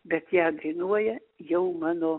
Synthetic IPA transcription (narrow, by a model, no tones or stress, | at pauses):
bʲɛt̪jæːd̪ɐɪnuɔjɛ | jɛʊmɑːnoː